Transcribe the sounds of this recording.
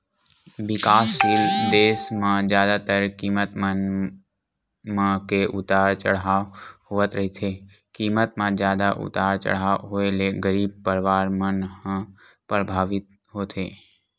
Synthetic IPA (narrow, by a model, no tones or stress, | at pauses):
bɪkaːsild̪eːsmãd͡ʒjaːd̪at̪əɾkiːmət̪mən | mãkeʔʊt̪aːɾt͡ʃəɽahoːət̪ɾəɦit̪ʰekiːmət̪mãzjaːd̪aʔʊ̰t̪aːɾt͡ʃə̰ɽ̤aɦoeleɡəɾiːb̚pəɾʋaːɾmənhə̃ | pɾəbʱaːʋɪt̪̚ | ɦoːt̪ʰeː